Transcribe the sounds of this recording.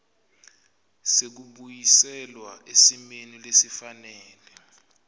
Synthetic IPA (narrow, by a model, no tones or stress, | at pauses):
sek̬uɓujisɛlwaesimenilesifanɛːlɛ